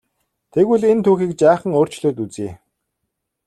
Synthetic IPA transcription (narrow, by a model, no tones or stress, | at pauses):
t̪ʰeɣwɘɮent̪ʰuːxiːk̚t͡ɕaːχə̆ŋoːr̥t͡ɕɮoːt̪ut͡siː